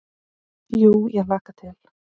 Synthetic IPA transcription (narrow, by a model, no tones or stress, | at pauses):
juːjɛɣlaːkat̪ʰɪl̥